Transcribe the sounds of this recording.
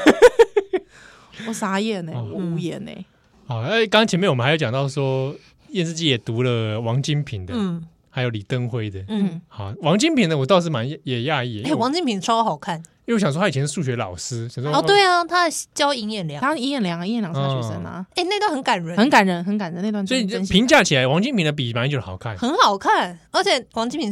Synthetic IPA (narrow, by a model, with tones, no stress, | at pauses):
ɔ˥˩sa˥jɛ˥˩ne˨˩˧wu˧˥jɛ˧˩nḛ˧˩˦ | ɑ˨˩˧e˥˩ɪkŋɑ˥ŋt͡ɕʰɛ˧˦mɛ˥˨wjo˧jŋt̪ɑ˥˩ʊʂwɔ˥ | jɛ˥˧ns̬̩˥˧t͡ɕi˥˩jɛ˨˩t̪u˧˥lə˨wɑ˧˦ŋt͡ɕi˦˥npʰi˨˩˦ŋd̪ə˦˥˩ | xa˧˥ɪjo˧ʊli˨˩t̪ə˥˧ŋxwe˥˧ɪd̪ə˨˥˩hɑ˨˩wɑ˧˥ŋt͡ɕi˦npʰi˨nd̪ə˧wt̪ɑ˥˧ʊʂ̬̩˥˩ma˧˦njɛ˨ja˥˧i˥˩e˥˩˨wɑ˧˦ŋt͡ɕi˥npʰi˨˩n˧t͡sʰwa˥˦˥xɑ˨˩ʊkʰa˥˩n˥˧˨wɕɑ˨ŋs̬wɔ˥t̪ʰa˥˨˩ɛ˧˦˥ʂu˥˩ɕɥɛ˧˥lɑ̰˨˩ʊʂɹ̩˥ɕɑ˨ŋswɔ˥˦˥t̪we˥˩ɪa˩t̪ʰa˥t͡ɕjɑ˥ʊi˧˥ŋjɛ˥˩nljɑ˨˦ŋʰ˥i˧˥ŋjɛ˥˩nljɑ˧˦ŋ˧i˥jɛ˥˩nljɑ˨˦a˥˩t͡ɕu˨˩sə˧˦nə̰˧e˥˩ɪne˥˧ɪt̪hə˧˦nka˨˩nɻə˨˦xə˧˦nka˨˦nɻə˧˥˦nxə˧˦nka˨˩nə˧˩˦n˥˧t̪wswɔ˧˥i˨˧npʰi˧˥ŋt͡ɕja˥˩t͡ɕʰi˨˩la˨˦ɪwɑ˧˥ŋt͡ɕi˥npʰi˨ŋd̪ə˧p̬i˨˩ma˧˥nt͡ɕjo˥˩ə˨xɑ˨˩ʊkʰa˥˩nxə˧˥nxɑ˨˩ʊkʰa˥˩nə˞˧˥t͡ɕʰjɛ˨˩wɑ˧˥ŋt͡ɕi˥npʰi˨˧˦